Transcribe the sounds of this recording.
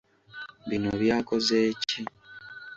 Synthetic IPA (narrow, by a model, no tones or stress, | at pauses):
βino̰βjaːkozeːci